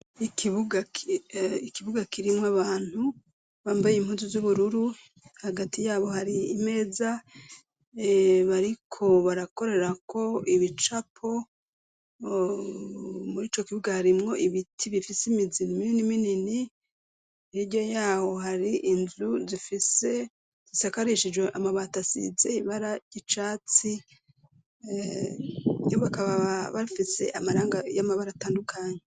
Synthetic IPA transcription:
ikʰiβuɡakiikiβuɡakiɾimŋaβaːn̥hu | βaːmbajimhuːzuzuβuɾuɾu | haɡatijaːβo̞haɾiːme̞ːza | βaɾikʰo̞βaɾako̞ɾe̞ɾako̞iβit͡ʃapʰo̞ | muɾiːt͡ʃokiβuɡahaɾimŋo̞ʔiβitʰiβifisimizinimininiminini | iɟo̞jaːho̞haɾiʔinzuzifise | zisakaɾiʃid͡ʒweʔamaβaːtasḭze̞iβaɾaɟit͡ʃaːt͡si | joβakaβaββaifise̞̰ʔamaɾaːŋɡajamaβaɾataːndukʰaɲe

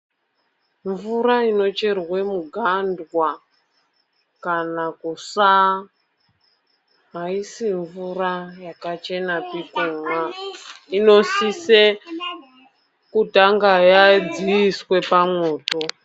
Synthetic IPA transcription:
ɱvuɾaino̞t͡ʃe̞rwe̞muɡʱandwa | kanakusa | ɦaisiɱvurajakat͡ʃe̞napikumwaino̞sise | kutaŋɡajad͡ziiswe̞pamwoːto̞

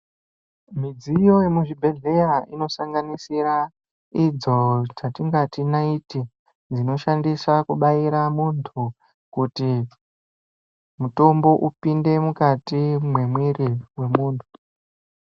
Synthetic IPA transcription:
mid͡zijo̞je̞muʐibʱe̞ɮe̞jaino̞saŋɡanisiɾa | id͡zo̞t͡ʃatiŋɡatinaiti | d͡zino̞ʃandisakuɓaiɾamuntʰu | kuti | muto̞mbo̞ʔupinde̞mukatimwe̞mwiriwe̞muːntʰu̥

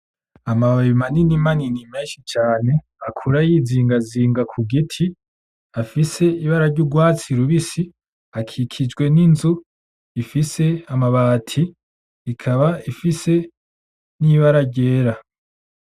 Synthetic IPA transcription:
amaβaimaninimaninimeːnʃit͡ʃaːne̞ | akʰuɾajiːziːŋɡaziːŋɡakʰuɡitʰi | afise̞iβaɾaɾɟuɡwaːt͡siɾuβisi | akʰikʰid͡ʒɡwe̞ninzu | ifise̞amaβaːtʰiː | kʰaβaifise̞ | niβaɾaɟe̞ːɾa

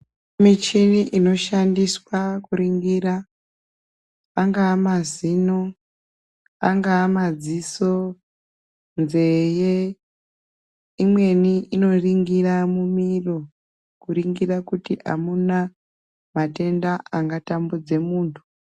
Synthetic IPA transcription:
mit͡ʃiniʔino̞ʃandiswakuɾiŋɡira | aŋɡaːmazino | aŋɡaːmad͡ziso̞ | nze̞je | imwe̞niino̞riŋɡiramumiro̞ | kuɾiŋɡirakutiʔa̰muna | mate̞ndaaŋɡatambud͡ze̞muːntʰu̥

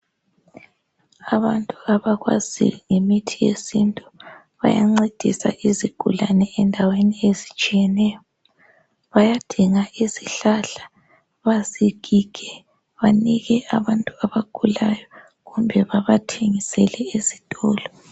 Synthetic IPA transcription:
aβantʼuaβaɣwa̰zḭŋemitʰijḛsintʼu̥ | βa̰ja̰ŋ͡ǀed̥ʱisa̰ʔiziɡ̥ʱṵlanɛɛndʱaweniezit͡ʃʼijɛnɛːjɔ | βajad̥ʱiŋaʔiziɬaɬḁ | βaziɡ̥ʱiɡ̥ʱɛ | βaniɣɛʔaβantʼuaβaɡ̥ʱulajɔ | ɣumbʱɛβaβatʰeŋisɛlɛezitʼɔːlɔ

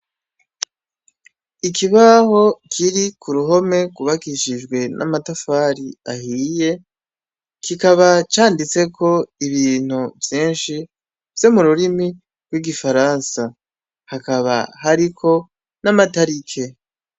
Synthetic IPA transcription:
ikiβaho̞kʰiɾikʰuɾuɦo̞me̞ɡuβakiʃid͡ʒɡwe̞nʔa̰matofaːɾiahiːje̞ | kikaβat͡ʃaːndit͡se̞kʰo̞iβiːn̥uvjeːnʃi | vje̞muɾuɾimi | ɾɡwiɡifaɾansa | hakaβa̰haɾikʰo̞ | namataɾikʰe̞

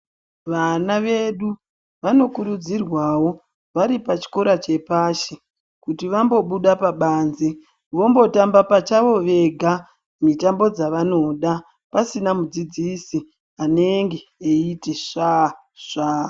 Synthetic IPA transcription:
ʋanaʋe̞ɗu | ʋano̞kuɾud͡zirwawo̞ | ʋaɾipat͡ʃi̥ko̞ɾat͡ʃe̞paʃe | kutiʋambo̞ɓuɗapaɓaːnzi | ʋo̞mbo̞tambapat͡ʃaʋo̞ʋe̞ɡʱa | mitambo̞d͡zaʋano̞ɗa | pasinamud͡zid͡zisi | ane̞ŋɡe̞eiteʂa | ʐaː

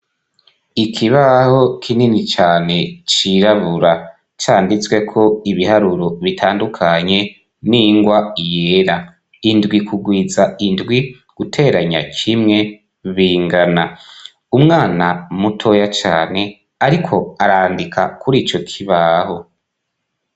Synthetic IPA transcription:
ikʰiβaho̞kʰininit͡ʃaːne̞t͡ʃiɾaβuɾa | t͡ʃaːndit͡swe̞kʰo̞iβihaɾuɾoβitʰaːndukʰaɲe̞ | niŋɡwaijeɾa | indɡwikʰuɡwiːzaindɡwi | ɡ̥utʰe̞ːɾaɲa̰kʰimŋe̞ | βiːŋɡana | umŋaːnamutʰo̞jat͡ʃaːne̞ | aɾikʰo̞aɾaːndikʰa̰kʰuɾiːt͡ʃo̞kʰiβaːho̞

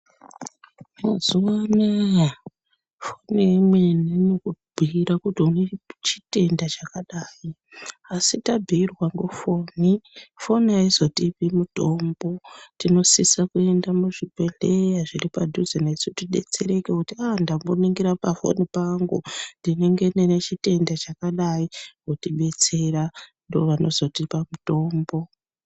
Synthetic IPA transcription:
mazuʋanej | fo̞niemweninokubʱiiɾakutiunet͡ʃi̥te̞ndat͡ʃakaɗaːji | asitabʱiːrwaŋɡo̞fo̞nifo̞naizo̞tipimuto̞mbo̞tino̞sisakue̞ndamuʐipe̞ɮe̞jaʐiripadʱuzenesutiɗe̞̰t͡se̞ɾe̞kekutiandambo̞niŋɡiɾapafo̰nipaŋɡundine̞ŋɡe̞nenet͡ʃite̞ndat͡ʃakaɗaiwotiɓe̞t͡se̞randoʋano̞zo̞tipamuto̞ːmbo̞

